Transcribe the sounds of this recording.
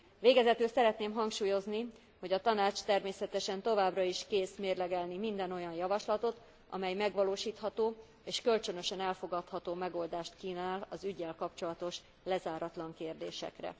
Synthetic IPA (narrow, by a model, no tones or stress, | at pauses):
veːɡɛzɛt̪øːsɛɾɛt̪neːmɦɒŋkʃuːjo̞zni | ho̞ɟɒt̪ɒnaːt͡ʃt̪ɛrmeːsɛt̪ɛʃɛnt̪o̞vaːbrɒiʃkeːsmeːrlɛɡɛlnimind̪ɛno̞jɒnjɒvɒʃlɒt̪o̞t̪ | ʔɒ̰mɛjmɛɡʋɒloːʃiːt̪hɒt̪oː | eːʃkø̞lt͡ʃø̞nøʃɛnɛlfo̞ɡɒt̪hɒt̪oːmɛɡo̞ld̪aːʃt̪kiːnaːlɒzyɟːɛlkɒpt͡ʃo̞lɒt̪o̞ʃ | lɛzaːɾɒt̪lɒŋkeːrd̪eːʃɛ̰krɛ̰